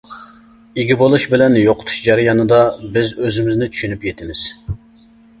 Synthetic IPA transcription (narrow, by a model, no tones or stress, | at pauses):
iɡʲibolˠuʃbɪlɛnjoqʰʊ̥t̪ʰu̥ʃd͡ʒɑɾɨjɑnɨd̪ɑbɪzøzɪmɪznɪt͡ʃʰy̥ʃynypjet̪ʰɪmɪz̥